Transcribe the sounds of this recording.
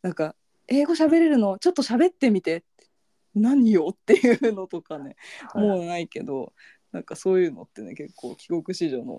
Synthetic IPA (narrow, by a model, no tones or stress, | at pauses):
nãŋka | e̞ːɡo̞ɕ̬abe̞ɾe̞ɾɯ̟no̞t͡ɕo̞t̪ːo̞ɕabe̞t̪ːe̞mʲit̪e̞t̪ːe̥ | naɲ̟ijo̞t̪ːe̞jɯ̟no̞t̪o̞kane̞moːnaike̞d̪o̞̰ | nãŋkaso̞ːjɯ̟ːno̞̰t̪ːe̞ne̞̰ke̞kːo̞̰ːkʲiɡo̞kɯ̟ɕiʑo̞ːno̰